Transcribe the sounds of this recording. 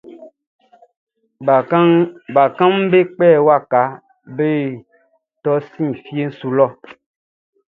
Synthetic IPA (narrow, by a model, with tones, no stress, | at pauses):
ba˨kã˦mbe˦k͡pɛː˦˨wa˦˨ka˨˦ | be˦˨ | tɔ˦sĩ˦˨fi˦e˦n̩˦su˨lɔ˦˨